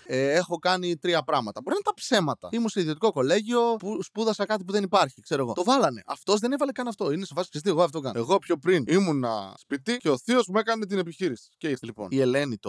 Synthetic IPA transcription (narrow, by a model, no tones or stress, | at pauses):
eexo̞kɐnit̪ɾiɐpɾɐɣmɐt̪ɐbo̞ɾinɐt̪ɐpse̞mɐt̪ɐ̰imunseiðio̞t̪ikoko̞leʝio̞puspuðɐsɐkɐt̪̬ipuðe̞nipɐɾçikse̞ɾoɣo̞t̪o̞vɐlɐne̞ʔɐft̪o̞zðe̞nevɐlekɐnɐft̪o̞inesevɐssist̪ieɣoɐft̪okɐn̰eɣo̞pço̞pɾinimunɐ̰spit̪ice̞oθio̞zmue̞kɐne̞t̪̬ine̞piçiɾisi̥ceslipo̞̰nie̞le̞nit̪o